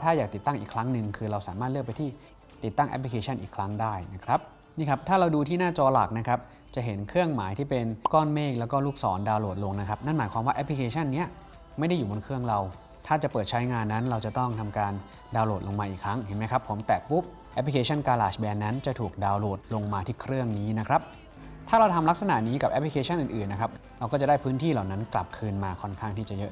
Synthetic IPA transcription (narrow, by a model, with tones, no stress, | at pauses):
t̪ʰaː˥˩jaː˨˩k̚t̪i˨˩t̪ːa˥˩ŋʔiː˨˩kʰɾa˦˥ŋnɯ˨˧ŋkʰɯː˧ɾa˧wsaː˩˦maː˥˩t̪̚ɯ˥˩k̚pa˧jt̪ʰiː˥˩ | t̪i˨˩t̪ːa˥˩ŋʔɛ̰˦˥pʰli˧kʰeː˧t͡ɕʰa˥˩nʔḭː˨˩kʰɾa˦˥ŋdaː˥˩jna˦˥kʰɾa˦˥p̚ | niː˥˩kʰa˦˥p̚t̪ʰaː˥˩ɾa˧wduː˧t̪ʰiː˥˩naː˥˩t͡ɕɔː˧la̰˨˩k̚na˦˥kʰɾa˦˥p̚ | t͡ɕa˨˩ʔɦe˩˦nkʰɯ˥˩əŋmaː˩˦jt̪ʰiː˥˩pe˧nkɔː˥˩nmeː˥˩klɛ˦˥wkɔː˥˩luː˥˩k̚sɔː˩˦ndaː˧wloː˨˩t̪̚lo˧ŋna˦˥kʰa˦˥p̚na˥˩nmaː˩˦jkʰwaː˧waː˥˩ʔɛ˦˥pʰli˧kʰeː˧t͡ɕʰa˥˩nːi˦˥ɐ | ma˥˩jda˥˩jːuː˨˩bo˧nkʰɯ˥˩əŋɾa˧w | t̪ʰaː˥˩t͡ɕa˨˩pɤː˨˩t̪̚t͡ɕʰa˦˥jŋaː˧nːa˦˥nɾa˧wt͡ɕa˨˩t̪ɔ˥˩ŋt̪ʰa˧mkaː˧n | daː˧wloː˨˩t̪̚lo˧ŋmaː˧ʔiː˨˩kʰɾa˦˥ŋhe˨˩nma˦˥jkʰa˦˥pʰːo˩˦mt̪ɛː˨˩pu˦˥p̚ | ʔɛ˦˥pʰli˧kʰeː˧t͡ɕʰa˥˩nkaː˧laː˨˩sbɛː˧nːa˦˥nt͡ɕa˨˩t̪ʰuː˨˩k̚daː˧wloː˨˩t̪̚lo˧ŋmaː˧t̪ʰiː˥˩kʰɾɯ˥˩əŋniː˦˥na˦˥kʰɾa˦˥p̚ | t̪ʰaː˥˩ɾa˧wt̪ʰa˧mla˦˥k̚sa˧na̰˨˩niː˦˥ka˨˩p̚ʔɛ˦˥pʰli˧kʰeː˧˥t͡ɕʰa˥˩nʔɯː˨˩nʔɯː˨˩nːa˦˥kʰa˦˥p̚ | ɾa˧wkɔː˥˩t͡ɕa˨˩daː˥˩jpʰɯː˦˥nt̪ʰiː˥˩laː˨˩wna˦˥nkla˨˩p̚kʰɯː˧nmaː˧kʰɔ˥˩nkʰaː˥˩ŋt̪ʰiː˥˩t͡ɕa˨˩jɤ˦˥